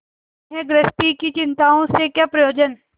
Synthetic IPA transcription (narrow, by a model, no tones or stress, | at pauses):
ɦeɡɾəsʈikit͡ʃɪ̃nt̪aːõsekjaːpɾɐjoːd͡ʒən